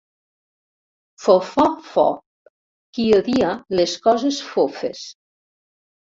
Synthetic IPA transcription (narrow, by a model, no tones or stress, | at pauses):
fofɔfɔ̰ | kioðialeskɔzesfofḛs